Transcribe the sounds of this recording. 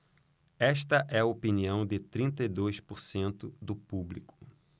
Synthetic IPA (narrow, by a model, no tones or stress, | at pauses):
ɛʃt̪ɐʔɛɐopiniɐ̃w̃d̪ɪt̪ɾĩnt̪ɐid̪ojspoɾsẽnt̪ʊd̪ʊpublikʊ̥